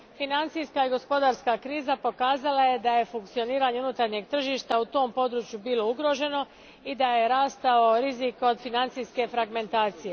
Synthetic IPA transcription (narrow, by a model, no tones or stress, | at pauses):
finant̪sijskaiɡo̞spo̞d̪aːɾskakɾiːzapo̞kaːzalaje̞d̪aje̞fuŋkt̪sio̞niːɾaɲe̞unut̪aɾɲe̞ɡ̚t̪r̩ʒiʃt̪aut̪o̞ːmpo̞d̪ɾuːt͡ɕjubiːlˠo̞uɡɾo̞ʒe̞no̞ | id̪aje̞ɾaːst̪aoɾiziko̞d̪finant̪sijske̞fɾaɡme̞nt̪aːt̪sije